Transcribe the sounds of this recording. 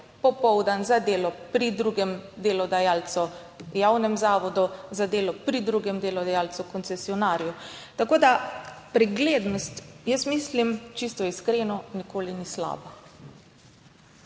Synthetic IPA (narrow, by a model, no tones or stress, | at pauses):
pɔpɔwd̪anzad̪eːlɔpɾid̪ɾuːɡɛmd̪eːlɔd̪ajaːlt̪sɔ | jawnɛmzaːʋɔd̪ɔzad̪eːlɔpɾid̪ɾuːɡɛmd̪eːlɔd̪ajaːlt̪sukɔnt̪sɛsiɔnaːɾijɔt̪akoːd̪apɾɛɡleːd̪nɔst̪jəsmislimt͡ʃist̪ɔiskɾeːnɔnikoːlinisla̰ːba